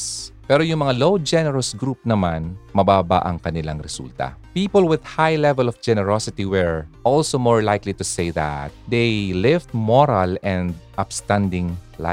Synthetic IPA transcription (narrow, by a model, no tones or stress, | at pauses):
spɛɾojʊŋmɐŋalowd͡ʒɛnɛɹɐsɡɾup̚nɐmanmɐbaːba̰ʔɐŋkɐnɪlaŋɾɛsṵlt̪ɐ̰piːpolwɪð̥hajlɛvɛlɔfd͡ʒɛnɛɹosɪt̪iwɛɹʔɔlsomoɹlajklit̪ʊsejða̰t̪̚d̪ejlɪvt̪̚moɹɐlɛ̃nd̪ʔɐpst̪ãnd̪ɪŋ | la̰